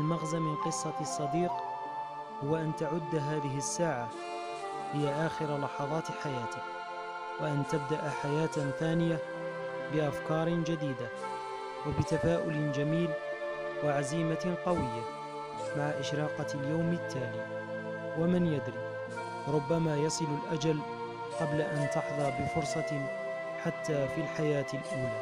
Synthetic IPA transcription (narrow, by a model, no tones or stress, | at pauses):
ʔʔalmaɣzamɪnqɨsˤːɑsˤːɑd̪iːq | hʊwːaʔant̪aʕʊd̪ːɦaːðɪɦɪsːaːʕa | hɪjaʔaːxɪɾalɑħɑðˤɑːt̪ħajaːt̪ɪk | waʔant̪ab̚d̪aʔaħajaːt̪θaːnɪja | bɪʔafkɑːɾˤd͡ʒad̪iːd̪a | wabɪt̪afaːʔʊld͡ʒamiːl | waʕaziːmaqɑwɪjːa | maʕaʔɪʃɾɑːqɑljawmɪt̪ʰːaːliː | wamɪnjad̪ɾi | ɾˤʊbːamaːjɑsˤɨlalʔad͡ʒal | qɑblaʔant̪ɑħðˤɑɾˤbɪfʊɾˤsˤɑ | ħat̪ʰːaːfilħajaːt̪lʔuːlaː